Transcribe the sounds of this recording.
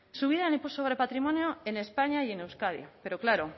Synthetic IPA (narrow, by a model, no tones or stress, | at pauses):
suβ̞iðaenimpusoɣɾepat̪ɾimõnjoene̞spaɲaje̞newskaðjope̞ɾo̞klaɾo